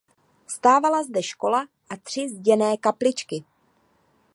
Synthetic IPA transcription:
st̪aːvalazdɛʃko̞laʔat̪r̝̥ɪzɟɛnɛːkaplɪt͡ʃkɪ

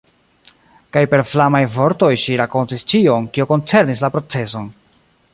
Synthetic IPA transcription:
kajpe̞ɾflamajvo̞ɾto̞jʃiɾako̞ntist͡ʃio̞nkioko̞nt͡se̞ɾnis̬lapɾo̞t͡se̞so̞n

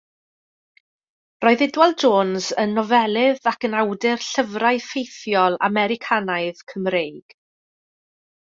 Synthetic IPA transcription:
rɔɨðɪdwɛlˠd͡ʒoːnzənːɔvɛlˠɪðakənawdɪrɬəvraɨfejθjɔlˠa̰mɛɾɪkʰanaɨðkʰəmrejɡ̥

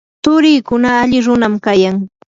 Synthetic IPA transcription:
t̪ʊɾɪjkʊnaːʎɪɾʊnamkajaŋ

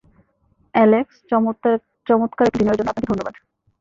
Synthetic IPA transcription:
ɛleks | t͡ɕɔmot̪kaɾekʈd̪inoeɾd͡ʑonoap̚nak̪id̪ʱonːobad̪

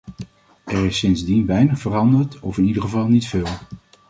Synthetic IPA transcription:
ɛrɪsːɪnzdinʋɛjnəχfərɑndəɹtɔfɪnidəɹχəvɑlˠnitfɪːlˠ

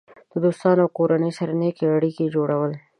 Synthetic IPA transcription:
t̪od̪oːst̪ɑːnowkoːɾanesɐɾnekeɐɽiked͡ʒoːɽɐwəl

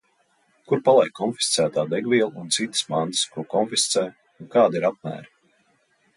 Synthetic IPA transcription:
kuɾpalˠɛjkʰːɔnfi̥st̪sæːt̪aːd̪ɛɡviɛlˠunt̪sit̪ə̥smãnt̪skuɔkɔnfist̪sɛː | unkaːd̪iɾap̚mæ̰ːɾi

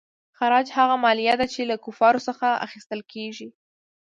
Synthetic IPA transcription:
xaɾɑd͡ʒhaɣamɑlijad̪at͡ʃelakʊfɑɾosəxaa̰xist̪əlkeʒi

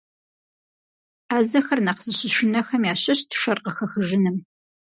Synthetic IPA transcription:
aːzɐxɐrnaqzɨɕɪʃɪnɐxɐmjaːɕɐɕtʰʃɐrqəxɐxɨʒɪnɨm

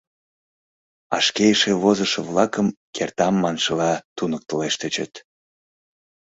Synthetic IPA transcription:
ɑ̰ʃkejəʃeβozəʃəvlɑkəmkʰert̪ɑmːɑnʃəlɑt̪unək̚t̪əleʃt̪et͡ɕə̰t̪

